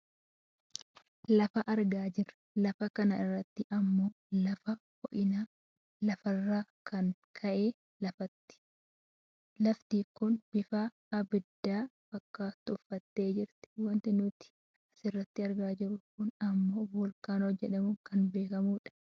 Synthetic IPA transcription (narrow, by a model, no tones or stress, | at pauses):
lɐfɐʔɐɾɡaːd͡ʒɪɾɐ̥lɐfɐkɐnɐɪrːɐt̪ːɪʔɐmːo̞ː | lɐfɐkɔʔɪnaː | lɐfɐrːaːkɐnkʰɐʔe̞ː | lɐfɐt̪ːɪ̥ | lɐft̪iːkʊnb̥ɪfaː | ɐbɪd̪ːaːb̥ɐkːaːt̪ːʊfːɐt̪ːe̞ːd͡ʒɪɾt̪ɪ̥wɐnt̪ɪnʊt̪ɪ̥ | ɐsɪrːɐt̪ːɪɐɾɡaːd͡ʒɪɾʊkʊnɐmːo̞ːbɔlkaːnɔd͡ʒɛᶑɐmʊkɐnbe̞ːkɐmuːᶑɐ̥